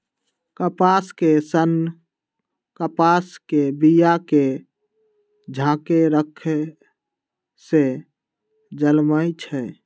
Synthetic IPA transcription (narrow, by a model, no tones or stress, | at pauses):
kəpaskesən | kəpaskebijake | d͡ʒʱãkeɾəkʰ | se | d͡ʒəlməjt͡ʃʰɛ